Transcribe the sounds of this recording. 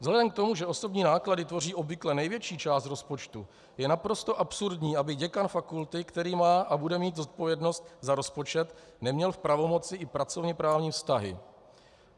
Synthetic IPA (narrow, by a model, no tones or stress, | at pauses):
vzɦlɛdɛmk̚t̪o̞muʒɛʔo̞so̞bɲiːnaːkladɪt̪vo̞riːʔo̞bvɪklɛnɛjvjɛt͡ʃiːt͡ʃaːst̪ɾo̞spo̞t͡ʃt̪u | jɛnapɾo̞st̪o̞ʔapsuɾdɲiːʔabɪɟɛkanfakult̪ɪkt̪ɛɾiːmaːʔabudɛmiːt̪zo̞t̪̚po̞vjɛdno̞st̪zaɾo̞spo̞t͡ʃɛt̪ | nɛmɲɛlfpɾavo̞mo̞t͡sɪʔɪpɾat͡so̞vɲɛpɾaːvɲiːfst̪aɦɪ̰